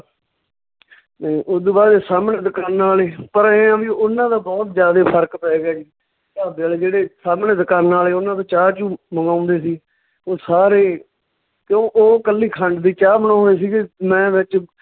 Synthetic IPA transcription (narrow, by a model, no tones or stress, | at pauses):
niːʔoːd̪obaːd̪eːsaːmneːd̪əkaːnːaːleːpəɾeːãːʋiːʊnːãːd̪aːbɔːt̪zjaːd̪eːpʰəɾkpɛːɡjaːd͡ʒiː | t̪aːbəld͡ʒeːɽeːsaːmneːd̪ɪkaːnːaːleːʊnãːd̪oːt͡ʃaːt͡ʃũːməŋɡãːʊ̃nd̪eːsiː | oːsaːɾeː | kjõːʔoːkəlːiːkʰəɳɖd̪iːt͡ʃaːmənãːʊnd̪eːsiːɡemɛ̃ːʋɪt͡ʃ